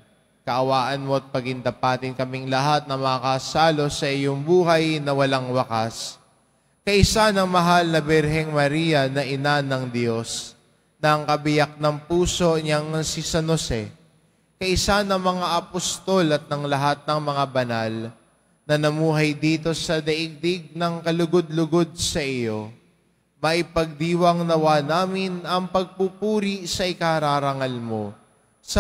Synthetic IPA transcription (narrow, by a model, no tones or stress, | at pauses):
kɐʔɐwaːʔɐnmo̞ɐt̪̚pɐɡɪnd̪ɐpaːt̪ɪnkɐmɪŋlɐɦat̪̚nɐmɐkasaːlo̞sɐʔɪjoŋbuːɦɐjnɐwɐlaŋwɐkas | kɐʔɪsanɐŋmɐɦalnɐbɛɾɦɛŋmɐɾijɐnɐʔɪnanɐŋd̪jo̞s | nɐʔɐŋkɐbɪjak̚nɐŋpuːso̞ɲɐŋsisɐnosɛ | kɐʔɪsanɐŋmɐŋaʔɐpost̪o̞lɐt̪̚nɐŋlɐɦat̪̚nɐŋmɐŋabɐnal | nɐnɐmuːɦɐjd̪iːt̪o̞sɐd̪ɐʔɪɡ̚d̪ɪɡ̚nɐŋkɐlʊɡod̪̚lʊɡo̞d̪̚sɐʔɪjo̞ | mɐʔɪpɐɡ̚d̪iːwɐŋnɐwaːnaːmɪnʔɐŋpɐɡ̚pupuːɾisɐʔɪkaɾaːɾɐŋɐlmo | s